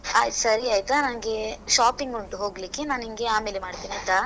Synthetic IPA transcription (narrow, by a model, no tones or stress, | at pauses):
a̰ːsɐɾiaːjt̪ɐnɐnɡe̞ʃaːpiŋɡoɳʈuɦo̞ːɡlikːenaːniŋɡe̞aːme̞ːlemaːɖt̪iːniɐt̪a